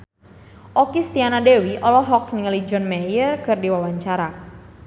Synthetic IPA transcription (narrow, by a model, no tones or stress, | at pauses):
ʔɔkist̪ianadewiʔɔlɔɦɔkniŋlid͡ʒɔnmajərkɨrdiwawaɲt͡ʃaɾa